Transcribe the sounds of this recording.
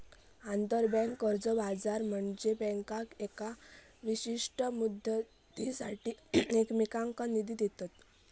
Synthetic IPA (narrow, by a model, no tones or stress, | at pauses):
and̪əɾbɛ̃ŋkːəɾd͡zəbad͡zaɾm̤əɳd͡zebɛ̃ŋkakeka | ʋiɕiʂʈəmud̪ | t̪isaʈiːekmikãŋkanid̪ʱid̪et̪at̪